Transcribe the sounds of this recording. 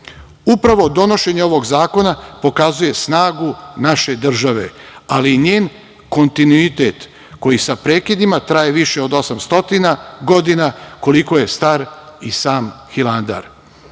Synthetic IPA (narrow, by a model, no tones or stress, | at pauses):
upɾaʋo̞d̪o̞no̞ʃe̞ɲeo̞ʋo̞ɡzaːko̞napo̞kazuje̞snaːɡunaʃe̞d̪r̩ʒaʋe̞̰aliːɲeːn | ko̞nt̪inuit̪et̪ | ko̞jisapɾe̞ːkid̪imat̪ɾaje̞ʋiʃe̞o̞d̪o̞samst̪o̞t̪inaɡo̞d̪inako̞liko̞je̞st̪aɾisaːmxiland̪a̰ɾ